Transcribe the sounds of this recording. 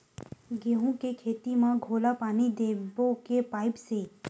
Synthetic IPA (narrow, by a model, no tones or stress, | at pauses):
ɡeːɦũkekʰeːt̪imãɡʱoːlapaːnid̪eːbokepaːɪpseː